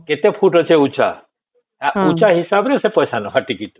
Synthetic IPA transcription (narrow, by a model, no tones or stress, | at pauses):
ket̪epʰuʈət͡ʃʰeut͡ʃʰa̰ | aut͡ʃaɦisabnəsepəjsanoɦaʈikit̪